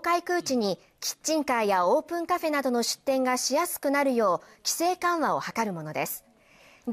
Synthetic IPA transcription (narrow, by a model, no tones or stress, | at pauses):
kaikɯ̟ːt͡ɕiɲ̟i | kʲi̥t͡ɕːĩŋkajao̞ːpɯ̟̃ŋkaɸe̞nad̪o̞no̞ɕɨ̥t̪ːẽ̞ŋɡaɕijasɨ̥kɯ̟naɾɯ̟jo̞ːkʲi̥se̞ːkãɰ̃βao̞hakaɾɯ̟mo̞no̞d̪e̞sɨ̥